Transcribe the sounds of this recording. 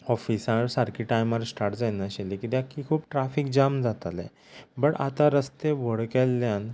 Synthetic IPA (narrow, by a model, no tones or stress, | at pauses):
ɔfisãɾsaɾkʰiʈajməɾsʈaɾʈd͡zanaɕelikit̪jakːikʰuːp̚ʈɾafik̚d͡ʑamd͡zat̪alɛ̰ | bəɽa̰t̪aɾəst̪eʋəɽkelːjãn